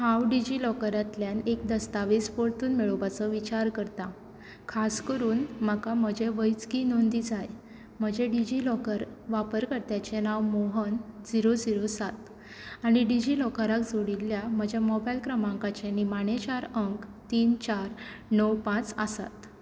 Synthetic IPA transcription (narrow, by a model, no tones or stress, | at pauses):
hawɖid͡ʑilɔkəɾat̪ljanek̚d̪əst̪aʋispoɭt̪uːnmeɭoʋat͡səʋit͡ɕaɾkəɾt̪a | kʰaskəɾuːnmakam̤əd͡ʑeʋəjt͡skinond̪id͡zaj | m̤əd͡ʑeɖid͡ʑilɔkəɾʋapəɾkəɾt̪jat͡ɕenaʋmoɦənd͡ziɾod͡ziɾosat̪ | aɽ̃iɖid͡ʑilɔkəɾakd͡zoɽilːjam̤əd͡ʑʱjamɔbajlkɾəmãŋkat͡ɕenimaɽet͡ɕaɾəŋkt̪iːnt͡ɕaɾ | nəwpãt͡səsa̰t̪